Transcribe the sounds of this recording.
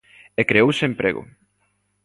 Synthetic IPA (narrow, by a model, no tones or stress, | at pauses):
ekɾeowsempɾḛɣʊ̰